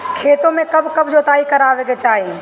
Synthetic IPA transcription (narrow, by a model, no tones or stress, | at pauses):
kʰeːt̪õmẽkɐbkɐbʱd͡ʒoːt̪aːikɐɾaːʋeːɡet͡ʃaːɦe